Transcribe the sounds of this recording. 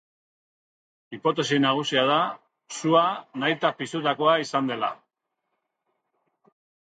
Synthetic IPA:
ipo̞t̪e̞sinaɣ̞usiað̞a | suanajt̪apisut̪ako̞aisand̪e̞la̰

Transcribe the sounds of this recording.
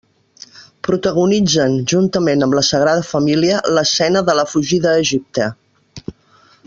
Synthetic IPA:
pɾut̪əɣ̞unid͡zənʒunt̪əmenəmləsəɣ̞ɾaðəfəmiliələsɛnəðələfuʒiðəːʒip̚t̪ə

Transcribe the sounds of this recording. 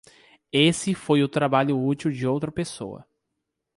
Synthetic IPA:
esɪfojʊt̪ɾabaʎʊut͡ʃiwd͡ʒɪowt̪ɾɐpeso̰wɐ̰

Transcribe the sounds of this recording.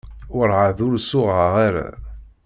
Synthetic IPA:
ʊɾʕaðʊɾsʊʁaʁaɾæ̰

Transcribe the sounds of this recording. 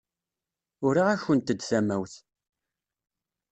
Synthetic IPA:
ʊɾiʁæçənt̪əd̪θæmæwθ

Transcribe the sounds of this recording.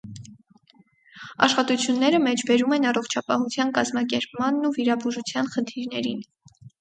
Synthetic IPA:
ɑ̰ʃχɑt̪ut͡sʰjunːɛɾəmɛt͡ʃʰbɛɾumɛnɑrɔχt͡ʃʰɑpɑhut͡sʰjɑnkɑzmɑk̬ɛɾpmɑnːuviɾɑbuʒut͡sʰjɑnχənt̪ʰiɾnɛɾin

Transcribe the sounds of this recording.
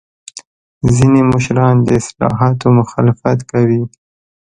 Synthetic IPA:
zinemʊʃɾɑnd̪əɪslɑ̰ɦɑt̪omʊxɑlɪfat̪kawi

